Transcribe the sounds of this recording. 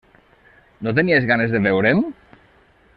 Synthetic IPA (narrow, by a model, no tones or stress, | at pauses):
not̪̬eniezɣanezðeβewɾem